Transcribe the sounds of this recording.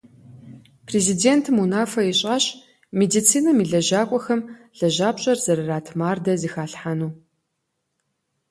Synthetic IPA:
pʰrezideːntʰɨmunaːfɐiɕʼɐɕ | medit͡sʰiːnɐmiɮɐʑaːkʷʼɔxɐmɮ̥ɐʒaːpɕʼɐrzɐɾɐraːtʰmaːrdɐzixaːɬħanuː

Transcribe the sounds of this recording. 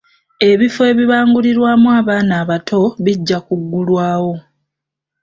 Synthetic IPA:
e̞βifoe̞βiβaːŋɡuliɾwaːmuaːβaːnaːβatʰo̞βiɟːakuɡːulwaːwo̞

